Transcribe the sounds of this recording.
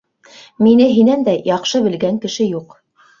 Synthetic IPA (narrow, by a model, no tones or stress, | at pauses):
minɘɦinænd̪æjɑqʃɤβɘ̆lɡæŋkɘ̆ʃɘjuq